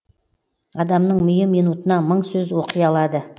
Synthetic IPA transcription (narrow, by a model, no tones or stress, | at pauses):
ɑd̪ɑmnəɴmʏjɪmijnut̪ənɑməɴsɵzwo̞qəjɑlˠɑd̪ə